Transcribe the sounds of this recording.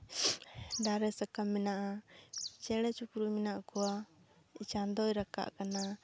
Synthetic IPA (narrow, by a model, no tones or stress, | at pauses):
ɖ̪aɾɛsakamːɛnaʔa | t͡ʃɛɽ̃ɛt͡ʃukɾujmɛnaʔkɔwa | it͡ʃand̪ɔjɾaka̰ʔkana